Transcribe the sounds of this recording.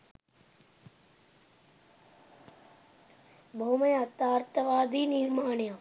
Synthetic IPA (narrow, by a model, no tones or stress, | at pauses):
bʱɐumɐjɐt̪aːɾt̪ɐʋaːd̪ʱiːniɾmaːɳjaː